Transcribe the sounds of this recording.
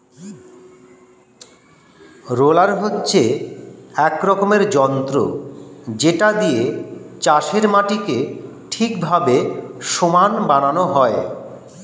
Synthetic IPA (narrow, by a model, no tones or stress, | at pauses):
ɾolaɾɦotːɕʰe | ɛkɾɔkomeɾd͡ʑɔnt̪ɾo̰ | d͡ʑeʈad̪ijet͡ɕaʃeɾmaʈike | ʈʰikbʱabeʃomanbananoɦɔe